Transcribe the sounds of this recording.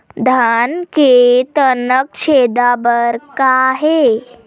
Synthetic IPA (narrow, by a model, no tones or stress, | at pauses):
d̪ʱanket̪ənək̚t͡ɕʰed̪abəɾkaɦe